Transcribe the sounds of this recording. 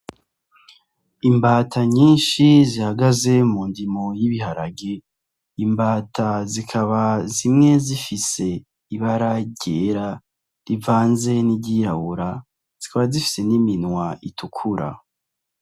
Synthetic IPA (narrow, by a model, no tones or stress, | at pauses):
imbaːtʰaɲiːnʃizihaɡaze̞mundimojiβiɦaɾaɡe | imbaːtʰazikʰaβazimŋe̞zifise̞ | iβaɾaɟeɾa | ɾivaːnze̞niɟiːɾawuɾa | z̥ikaβazifi̥se̞niminwaʔitʰukʰuɾa̰